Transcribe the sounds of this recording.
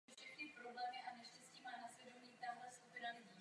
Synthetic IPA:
fʃɛxnɪpɾoblɛːmɪʔanɛʃcɛsciːmaːnasɛdoniːt̪alɛskupɪnaɪ

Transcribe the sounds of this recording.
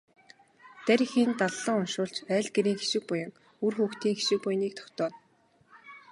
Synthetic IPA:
t̪æɾʲɪ̆xint̪aɮːə̆ŋʊnʃʊːɬt͡ɕæːɮɡeɾiːŋxe̥ʃɪ̆k̚pʊjə̆ŋ | urxuːxt̪iːŋxe̥ʃɪ̆k̚pʊjniːk̚t̪ʰɔ̥kt̪ɔːn

